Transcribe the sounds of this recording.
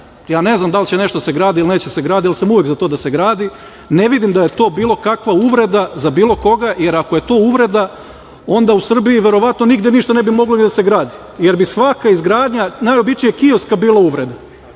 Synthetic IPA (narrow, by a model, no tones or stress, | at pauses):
jaːne̞znamd̪alt͡ɕe̞ne̞ʃt̪oseɡɾaːd̪iiline̞ːt͡ɕese̞ɡɾaːd̪ialsamuʋje̞kzat̪o̞ːd̪ase̞ɡɾaːd̪i | ne̞ʋid̪imd̪aje̞t̪o̞ːbiːlˠo̞kakʋauʋɾe̞d̪azabiːlˠo̞ko̞ɡaje̞ɾakoje̞t̪o̞ːuʋɾe̞d̪a | o̞nd̪ausr̩biiʋe̞ɾo̞ʋat̪no̞niɡd̪jeniʃt̪ane̞bimo̞ɡloid̪aseɡɾaːd̪i | je̞ɾbisʋakaizɡɾaːd̪ɲanajo̞bit͡ʃijekioskabiːlˠauʋɾe̞d̪a